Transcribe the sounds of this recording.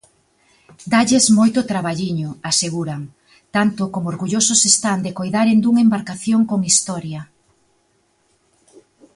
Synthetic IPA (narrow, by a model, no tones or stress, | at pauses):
d̪aʎezmojt̪ʊt̪ɾaβaʎiɲʊaseɣuɾaŋ | t̪ant̪ʊkomoɾɣuʎosʊsest̪and̪ekojðaɾend̪uŋembaɾkaθjoŋkoŋist̪ɔɾjɐ